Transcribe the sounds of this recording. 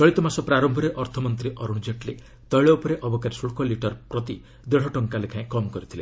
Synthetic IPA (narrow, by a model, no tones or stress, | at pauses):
t͡ʃɔɭit̪ɔmasɔpɾaɾɔmbʱɔɾeʔɔɾt̪ʰɔmɔnt̪ɾiʔɔɾuɽ̃d͡ʒeʈle | t̪ɔjɭɔupɔɾeʔɔbɔkaɾisuɭkɔliʈɔɾpɾɔt̪i | d̪eɽ̤ɔʈɔŋkalekʰãẽkɔmɔkɔɾit̪ʰile